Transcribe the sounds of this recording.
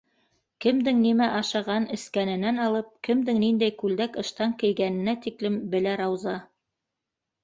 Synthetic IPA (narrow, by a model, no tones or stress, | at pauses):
kɘ̆md̪ɘŋnimæʔɑʃɑʁɑnɘ̆skænɘ̆nænɑlˠɤp̚kɘ̆md̪ɘŋnind̪æjkʉld̪ækɤ̆ʃt̪ɑŋkɘ̆jɡænɘ̆næt̪iklɘmbɘ̆læɾɑwzɑ